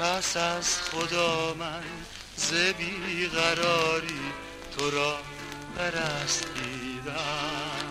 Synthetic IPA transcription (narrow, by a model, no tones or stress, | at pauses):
pʰæsæzχod̪ɒːmæn | zebiɣæɾɒːɾiː | t̪ʰoɾɒː | baɾæst̪iːd̪æ